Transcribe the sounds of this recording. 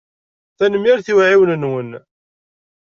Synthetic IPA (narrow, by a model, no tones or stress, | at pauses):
θænəmːiɾθiwʕiwnənwən